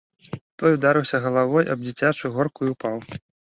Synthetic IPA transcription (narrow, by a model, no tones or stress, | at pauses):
t̪ɔjud̪aɾɨwsʲɐɣɐlˠavɔjʔɐ̰b̚d͡zʲit͡sʲat͡ʂujuɣɔrkuiupaw